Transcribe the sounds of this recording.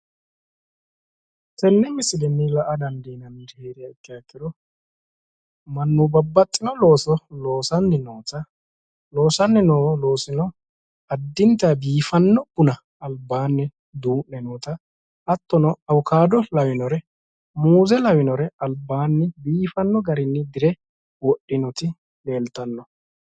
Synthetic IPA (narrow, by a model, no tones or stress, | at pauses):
t̪ɛnːɛmɪsɪd̪ɛnːɪlɐʔɐd̪ɐnd̪iːnɐnːheːɾɪjɐɪkːɪjɐkːɪd̪ɔ | mɐnːubɐbːɐt̪ʼːɪnɔlo̞ːsɔlo̞ːsɐnːɪnoːt̪ɐ | lo̞ːsɐnːɛnoːlo̞ːsɪnɔ | ɐd̪ːɪnt̪ɐbiːfɐnːɔbʊnɐ | ɐlbaːnːɛ | d̪uːʔnɛnuːt̪ɐ | ʔɐt̪ːɔnɔɐwʊkʰaːd̪ɔlɐwɪnɔɾɛ | muːzɛlɐwɪnɔɾɛɐlbːaːnːɪbiːfɐnːɔɡɐɾɪnːɪd̪ɪɾɛ | wɔʔɪnɔt̪ɪ | le̞ːlt̪ɐnːɔ